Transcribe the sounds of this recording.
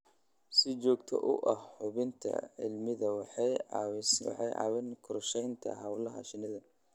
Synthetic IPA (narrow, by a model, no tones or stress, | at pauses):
sɪt͡ʃɔːɡt̪ʰɔ̰ʔʊ̰ʔɐhħʊβɪnt̪ʰɐ̰ʕɪ̰lmɪðɐwɑħɛjɑwswɑ̰ħɑjʔɑ̰ːwɪnkʰʊɾʃɛjnt̪ʰɐ̰ɦɐwlɐɦɐ̰ʃɪnɪðɐ